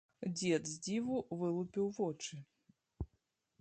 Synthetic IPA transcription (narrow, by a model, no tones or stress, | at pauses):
d͡zʲɛd̪zʲd͡zʲivuvɨlˠupʲiwvɔt͡ʂɨ